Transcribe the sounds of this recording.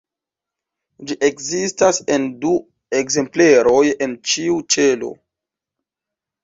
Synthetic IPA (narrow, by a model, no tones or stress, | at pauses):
d͡ʒiʔekzistase̞ndu | e̞kze̞mpleɾo̞je̞nt͡ʃiut͡ʃe̞lo̞̰